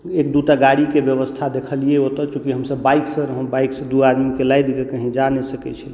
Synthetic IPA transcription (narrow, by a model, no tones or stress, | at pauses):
ek̚d̪uʈaɡaɽikebjəbəst̪ʰad̪ekʰəlijeot̪ɔt͡ʃũkiɦəmsəbːajksə̃ɾəɦə̃bajksə̃d̪uad̪mikelajd̪ikekəɦĩd͡ʒanɛsəkɛ̰t͡ʃʰəl